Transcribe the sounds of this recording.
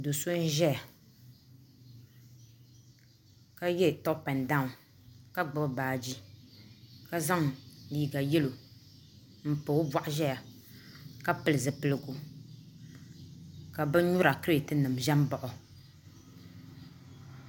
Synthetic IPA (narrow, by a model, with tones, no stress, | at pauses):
do˨so˦n˦ʒɛ˦ja˨ | ka˦jɛ˦˨tɔ˦pa˨n˨da˦˨ŋ˨ | ka˦ɡ͡bɨ˦bbaː˨d͡ʒi˦ | ka˦za˦ŋliː˨ɡa˨jɛ˦lo˨ | m̩˦po˨˦ba˦ʔʒɛ˦ja˨ | ka˦pɨ˦lɨ˨zɨ˨pɨ˨lɨ˨ɡo˨ | ka˨bɛ˦ɲu˦ɾa˨kɨ˦ɾtɨ˦nɨ˨m˨ʒɛ˦m˦bɔ˨ʔɔ˨